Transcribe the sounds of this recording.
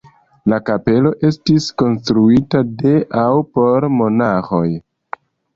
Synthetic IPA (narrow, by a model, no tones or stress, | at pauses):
lakape̞lo̞ʔe̞stisko̞nstɾuitade̞ʔawpo̞ɾmo̞naxo̞j